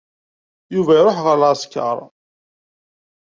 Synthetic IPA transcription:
juvæɾoħʁəɾlaskːɑ̰ɾˤ

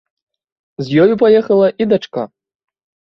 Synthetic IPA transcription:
zʲjɔjupajɛxɐlˠɐʔid̪at͡ʂka̰

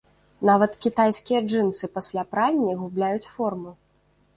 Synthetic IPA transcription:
navɐt̪kʲit̪ajsʲkʲijɐd͡ʐɨnsɨpasʲlʲapɾalʲnʲiɣublʲajut͡sʲfɔrmu

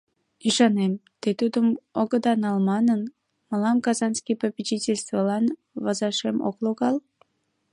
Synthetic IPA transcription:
iʃɑnemt̪et̪ud̪əmoɣəd̪ɑnɑlmɑnən | məlɑmkɑzɑnskijpəpʲit͡ɕitʲelʲst̪vəlɑn | vɑzɑʃemo̰kloɣɑl

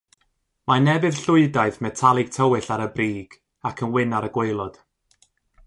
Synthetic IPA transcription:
manɛbɨð̥ɬʊɨdaɨθmɛtʰalˠɪɡ̥̚tʰəwɪɬaɾəbriːɡ̥ | akʰənwɪnaɾəɡwejlˠɔd̥

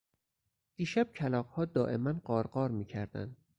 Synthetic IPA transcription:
d̪̥iːʃæb̥̚cʰælɒːqhɒːd̪ɒːʔe̞̰mænɢɒːɾɢɒːɾmiːcʰæɾd̪æ̰nd̪̥̚

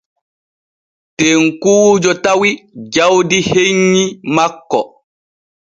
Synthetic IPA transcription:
teŋkuːd͡ʒɔtawid͡ʒawdiheɲːimakːɔ

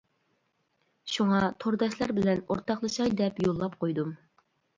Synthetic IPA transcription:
ʃuŋɑt̪ʰoɾd̪ɑʃlˠɑɾbɪlɛno̰ɾt̪ɑχlˠɨʃɑjd̪ɛpjolˠːɑpqojd̪um

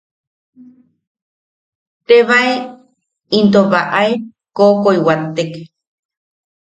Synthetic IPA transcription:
t̪eβae | int̪oβaʔae | kokoiwat̪ːek

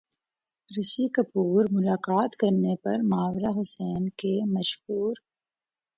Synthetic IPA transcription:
ɾɪʃikɐpuːɾmʊlaːkaːt̪kɐɾnepɐɾmaːʋɾaɦʊsɛːnkemɐʃhuːɾ

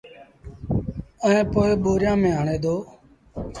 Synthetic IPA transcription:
ənẽːpoːeɓoːɾjãːmẽːaːɳeːd̪oː

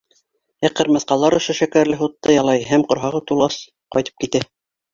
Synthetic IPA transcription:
æqɘ̆ɾmɑ̆θqɑlˠɑɾŏʃoʃækæɾlɘɦut̪ːɑjɑlˠɑjɦæmqŏɾɦɑʁɤt̪ulˠɑs | qɒ̰jt̪ɤ̥p̚kit̪æ

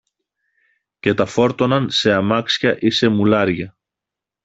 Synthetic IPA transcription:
ce̞t̪ɐfo̞ɾt̪o̞nɐnse̞ɐmɐksçɐʔise̞mulɐɾʝɐ

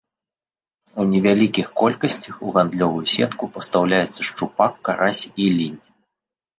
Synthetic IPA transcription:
unʲɛvʲalʲikʲixkɔlʲkɐsʲt͡sʲɐxuɣand̪lʲɔvujusʲɛt̪kupɐst̪awlʲajɛt̪sːɐʂt͡ʂupakːaɾʔasʲilʲinʲ

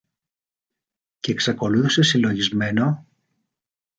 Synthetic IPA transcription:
ceːksɐko̞luθise̞silo̞ʝizme̞no̞

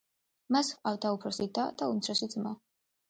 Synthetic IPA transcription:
masχqʼawd̪aupʰɾɔsid̪ad̪aumt̪sʰɾɔsid̪zma

